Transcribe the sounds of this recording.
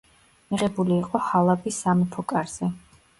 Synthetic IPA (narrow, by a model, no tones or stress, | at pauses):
miʁɛbuliːqʼɔhalˠabisamɔpʰɔkʼaɾz̥ɛ